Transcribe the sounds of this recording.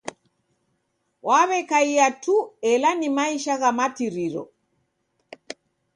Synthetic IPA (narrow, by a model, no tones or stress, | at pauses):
wʔaβɛkaiatuɛlanimaiʃaɣamatiɾiɾɔ̰